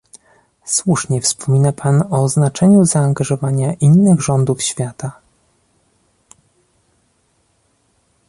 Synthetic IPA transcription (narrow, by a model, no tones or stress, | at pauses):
swuʂɲɛfspʰɔmʲinapʰanɔznat͡ʂɛɲuzaːŋɡaʐɔvaɲaʔinːɘɣʐɔnd̪ufɕfʲjat̪a